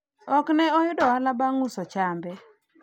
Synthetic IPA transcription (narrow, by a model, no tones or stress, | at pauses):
ɔknɛɔjʊdɔalabaŋʊsɔt͡ʃambɛ